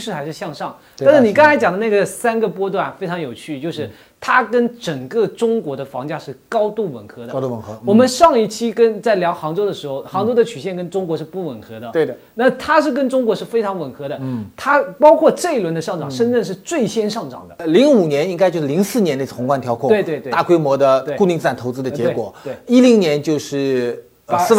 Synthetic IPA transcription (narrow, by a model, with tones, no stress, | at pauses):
ʂɻ̩˥˩xa˧˥ɪʂɻ̩˥˧ɕjɑ˥˧ŋʂɑ˥˩ŋa˥˧nʂɻ̩˥˩ni˨˩kɑ˥ŋt͡sʰa˧˥t͡ɕjɑ˨˩ŋd̪ə˦na˥˩ɡə˩sa˥nɡə˨pwɔ˥t̪wa˥˩nfe˥ɪʈ͡ʂʰɑ˧˥ŋjo˨˩ʊt͡ɕʰy˥˩t͡ɕjo˥˧ʊʂɻ̩˥˩ | t̪ʰa˥kə˥nʈ͡ʂə˨˩ŋkə˥˧ʈ͡ʂʊ˥ŋkwɔ˧˥d̪ə˧fɑ˧˥ŋt͡ɕja˥˧ʂɻ̩˥˩kɑ˥ʊt̪u˥˩wə̰˨˩nxʰɤ˧˥d̪ə˧u˨˧˩nkɤ˧˥wɔ˨˩mə˦nʂɑ˥˧ŋi˥˩t͡ɕʰi˥kə˥nt͡sa˥˩ɪljɑ˧˥ʊxɑ˧˥ŋʈ͡ʂo˥ʊd̪ə˨ʂɻ̩˧˥xo˥˧ʊxɑ˧˥ŋʈ͡ʂʊd̪ə˨t͡ɕʰy˨˩ɕjɛ˥˩nkə˥nʈ͡ʂʊ˥ŋkwɔ˧˥ʂɻ̩˥˧pu˥˩wə̰˨˩nxʰɤ˧˥d̪ə˧e˥˩˨na˥˩mə˩t̪ʰa˥ʂɻ̩˥˩k̬ə˥nʈ͡ʂʊ˥ŋkwɔ˧˥ʂɻ̩˥˩fe˥ɪʈ͡ʂʰɑ˧˥ŋwə˨˩nxʰɤ˧˥ɾə˨t̪ʰa˥pɑ˥ʊkʰwɔ˥˧ʈ͡ʂɤ˥˧i˥lwə˧˥nd̪ə˧ʂɑ˥˩ŋʈ͡ʂɑ˨˩ŋʂə˥nʈ͡ʂə˥˧nʂ̬ɻ̩˥˧t͡swe˥˩ɪɕjɛ˥nʂɑ˥˩ŋʈ͡ʂɑ̰˨˩ŋd̪ə˦li˧˥ŋu˨˩njɛ˧˥ni˥ŋk̬ɪt͡ɕjo˥˧ʂ̩˥˩li˧˥ŋsɹ̩˥˩njɛ˧˥nle˥˩t͡s̪ʰʊ˧˥ŋkwa˥˧nt̪ʰjɑ˧˥ʊkʰʊ˥tw̪we˥˧ɪt̪e˥˧a˥˩kwe˥ɪmwɔ˧˥d̪ə˧t̪e˥˩ku˥˧ni˥˧ŋt͡s̩˥˩a˥˩nt̪ʰo˧˥ʊt͡sɹ̩˥d̪ə˧t͡ɕjɛ˧˥˧kwɔ̰˨˩˦we˥˩i˥li˧˥ŋnjɛ˧˥nt͡ɕjo˥˧ʊʂɻ̩˥˩˨ | s̩˥˧